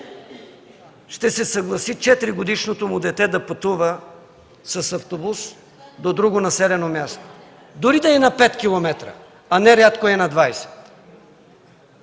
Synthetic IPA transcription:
ʃt̪ɛsɛsɐɡlˠɐsit͡ʃɛt̪ɾiɡod̪iʃnot̪omʊd̪ɛt̪ɛd̪ɐpɐt̪uvə | sɐsɐft̪obus | d̪od̪ɾuɡonɐsɛlɛnomʲjast̪o̥ | d̪ʊɾid̪ɐɛnɐpɛt̪kʲilˠomɛt̪ɾə̰ | ɐnɛɾʲat̪koɛnɐd̪vajsɛ̥t̪

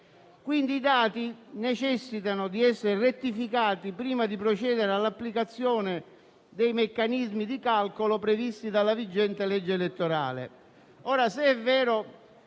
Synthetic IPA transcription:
kwind̪iːd̪aːt̪inet͡ʃɛsːit̪anʊd̪iɛsːeɾeret̪ːifikaːt̪ipɾiːmad̪ipɾot͡ʃɛːd̪eɾealːapːlikat̪sːjɔːnɪ | d̪ɛjmekːanizmid̪ikalkolopɾevist̪id̪alːavid͡ʒːɛnt̪elɛd͡ʒːelet̪ːoɾa̰ːlḛ | ɔːɾaseɛvːɛːɾo

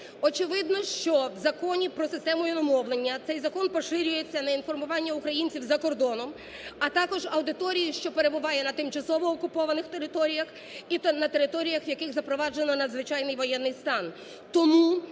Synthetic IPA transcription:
ɔt͡ʃɪʋɪd̪nɔʃt͡ʃɔwzɐkɔnʲipɾɔsɪst̪ɛmʊjʊnɔmɔwlˠenʲːɐt̪sɛjzɐkɔnpɔʃɪɾʲʊjet͡sʲːɐnɐinfɔrmʊʋɑnʲːɐʊkɾɐjinʲt͡sʲiwzɐkɔrd̪ɔnɔm | ɐt̪ɑkɔʒɐwd̪ɪt̪ɔɾʲijiʃt͡ʃɔpeɾe̞bʊʋɑjɛnɐt̪ɪmt͡ʃɐsɔʋɔːkʊpɔʋɐnɪxt̪e̞ɾɪt̪ɔɾʲijɐx | inɐt̪e̞ɾɪt̪ɔɾʲijɐxʋjɐkɪxzɐpɾɔʋɑd͡ʒenɔnɐd̪zʋɪt͡ʃɑjnɪjʋɔjɛnːɪjst̪ɑn | t̪ɔmu

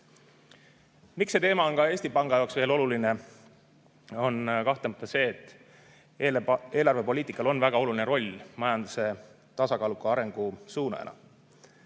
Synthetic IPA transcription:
miksːe̞t̪eːmɑo̞nkɑe̞ːsʲt̪ipɑŋɡ̥ɑjɑoksveːlo̞luline̞ | o̞nkɑht̪emt̪ːˑɑse̞ːt̪ːˑ | ee̞ːlɑrve̞po̞liːt̪ːˑikːˑɑlo̞nvæɡ̥ɑo̞lulineɾo̞lʲmɑjɑnd̪use̞ | t̪ɑsɑkɑːlukːˑuɑɾe̞ŋɡ̥usuːnɑ̰ḛnɑ̰

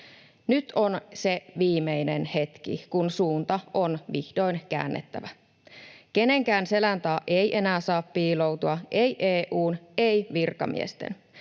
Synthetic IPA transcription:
nyt̪ʰo̞nse̞ʋiːmejne̞nhe̞t̪kḭkunsuːnt̪ɑʔo̞nʋihdo̞jnkæ̰ːnːḛt̪ːæ̰ʋæ | ke̞ne̞ŋkæːnse̞lænt̪ɑːʔe̞jʔe̞næːsɑːppiːlo̞wt̪uɑʔejʔeːʔuːnejʋirkɑ̰mḭḛst̪ḛn

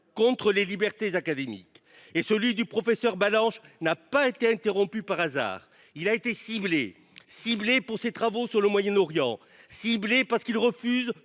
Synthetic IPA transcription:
kɔ̃t̪χəlelibɛʁt̪ezakad̪emḭk | esəlɥid̪ypχɔfɛsœʁbalɑ̃ʃnapaet̪eɛ̃t̪eʁɔ̃pypaʁaza̰ːʁ | ilaet̪esible | siblepuʁset̪χavosyʁləmwajɛnɔʁjɑ̰̃ | siblepaʁsə̥kilʁəfyz

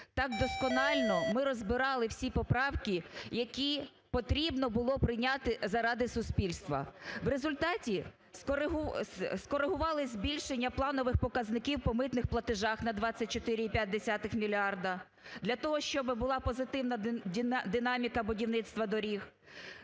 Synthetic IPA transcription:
t̪ɑɡ̚d̪ɔskɔnɑlʲnɔmɪɾɔzbɪɾɑlˠɪwsʲipɔpɾɑwkʲijɐkʲi | pɔt̪ɾʲibnɔbʊlˠɔpɾɪjnʲɑt̪ɪzɐɾɑd̪ɪsʊsʲpʲilʲst̪ʋɐ̰wɾezʊlʲt̪ɑtʲi | skɔɾɦskɔɾeɦʊʋɑlˠɪzʲbʲilʲʃenʲːɐplˠɑnɔʋɪxpɔkɐznɪkʲiwpɔmɪt̪nɪxplˠɐt̪ɪʒɑxnɐd̪ʋɑt͡sʲːɐt̚ʲt͡ʃɔt̪ɪɾʲiːpʲjat̚ʲd̪esʲat̪ɪxmʲilʲɑrd̪ɐ | d̪lʲɐt̪ɔɦɔʃt͡ʃɔbɪbʊlˠɑpɔzɪt̪ɪwnɐd̪ʲid̪ɪnɑmʲikɐbʊdʲiwnɪt̪st̪ʋɐd̪ɔɾʲix

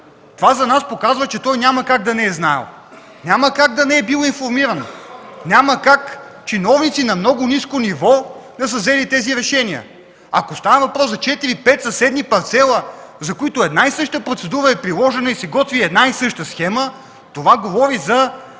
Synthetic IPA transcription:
t̪ovazɐnaspokazvət͡ʃɛt̪ɔjnʲamɐkaɡ̚d̪ɐnɛɛznaɛ̰lˠ | nʲaməkaɡd̪ɐnɛɛbilˠoinfoɾmiɾɐnonʲaməkak | t͡ʃinɔvnit̪sinɐmnɔɡʊniskonivɔd̪ɐs̬əvzɛlit̪ɛziɾɛʃɛniə̰ | ɐ̰kost̪anɐvɐpɾɔsɐt͡ʃɛt̪iɾipɛt̪sɐsɛd̪mipɐɾt̪sɛlˠəzɐkoit̪ʊɛd̪naisɤʃt̪əpɾot̪sɛd̪uɾəɛpɾilˠɔʒɛnɐisɛɡɔt̪viɛd̪naisɤʃt̪əsxɛmə | t̪ovaɡovɔɾizɐ

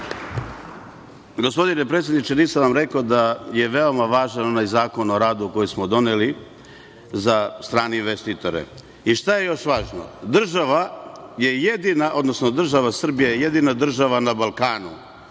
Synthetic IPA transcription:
ɡo̞spo̞d̪ine̞pɾet̪sʲjed̪nit͡ʃe̞niːsanʋamɾe̞kod̪aje̞ʋe̞o̞maʋaːʒano̞najzaːko̞no̞ɾaːd̪uko̞jesmo̞d̪o̞neli | zast̪ɾaːneinʋest̪it̪o̞ɾḛ | iʃt̪aje̞jo̞ʃʋaːʒno̞̰d̪r̩ʒaʋaje̞jed̪inaʔo̞d̪no̞sno̞d̪r̩ʒaʋasr̩bijejeje̞d̪inad̪r̩ʒaʋanabalˠkaːnṵ

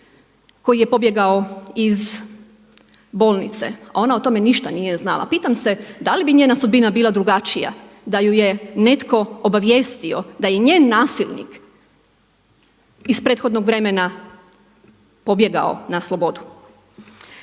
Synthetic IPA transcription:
ko̞jije̞po̞bje̞ɡaoiz | boːlˠnḭt̪sḛao̞naot̪o̞me̞niʃt̪anijeznalˠa̰piːt̪amse̞d̪alibiɲeːnasud̪̚binabiːlad̪ɾuɡat͡ʃija̰d̪ajujene̞t̪ko̞obaʋjeːst̪iod̪aje̞ɲeːnːaːsilˠnḭk | ispɾeːt̪xo̞d̪noɡʋɾe̞mena | po̞bje̞ɡa̰o̞̰naslˠo̞bo̞d̪u

